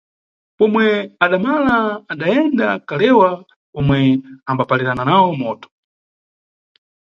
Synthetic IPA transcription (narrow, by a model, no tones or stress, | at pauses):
pɔmwɛaɗamalaːɗaɛndakalɛwa | ɔmwɛambapalɛɾananawɔmɔtɔ̥